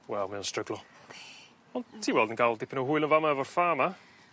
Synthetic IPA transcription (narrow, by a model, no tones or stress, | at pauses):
wɛlˠmɪwnstrəɡlˠɔ | ɔntʰːiːwɛlˠdənɡaːlˠdɪpʰənuɦʊɨlˠənvamaɛvɔrfaːma